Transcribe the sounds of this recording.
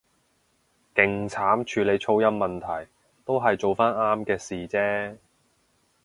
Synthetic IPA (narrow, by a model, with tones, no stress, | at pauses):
kɪ˨ŋt͡sʰaː˨˥mt͡ʃʰyː˨˧le˨˧jt͡ʃʰo˥wjɐ˥mːɐ˨nt̪ʰɐ˨˩j | t̪o˥wɦɐ˨jt͡so˨wfaː˥naː˥mkɛː˧siː˨t͡sɛː˥